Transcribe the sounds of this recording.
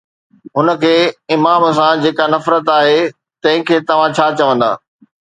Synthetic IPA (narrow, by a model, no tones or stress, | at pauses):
ɦʊnə̆kʰeːɪmaːms̬ãd͡ʑeːkanɐfɾət̪aːɦeː | t̪ɐ̃ɦɪ̃kʰeːt̪ɐʋ̤ãt͡ɕʰaːt͡ɕɐʋə̃nd̪a̰ː